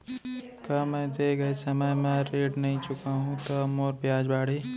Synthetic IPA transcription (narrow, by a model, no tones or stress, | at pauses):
kamɛ̃d̪eːɡɐesɐməjmẽɾeːɖnɐɦĩt͡ʃʊkaɦũt̪omoːɾbjaːd͡ʒbaːɽ̤iː